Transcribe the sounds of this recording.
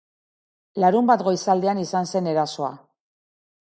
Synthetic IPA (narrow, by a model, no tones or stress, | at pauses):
laɾumbat̪ɡo̞jsald̪eanisanse̞ne̞ɾaso̞a